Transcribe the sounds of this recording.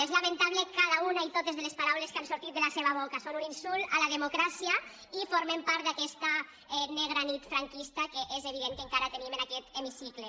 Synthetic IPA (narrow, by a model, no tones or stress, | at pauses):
ezlamẽnt̪aβlekaðaunait̪ot̪ezðelespaɾawleskansuɾt̪it̪d̪elaseβaβokasonuninsulalaðemokɾasia | ifoɾmempaɾt̪d̪akɛst̪a | ɛneɣ̞ɾanit̪fɾaŋkist̪akeʔezeβ̞iðeŋkeŋkaɾat̪enimenakɛt̪emisikle